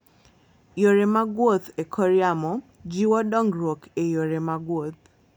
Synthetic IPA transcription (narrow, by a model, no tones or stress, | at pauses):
joɾemaɡwot̪ekʰɔɾiamɔ | d͡ʒiwɔdɔŋɡɾokejoɾemaɡwot̪̚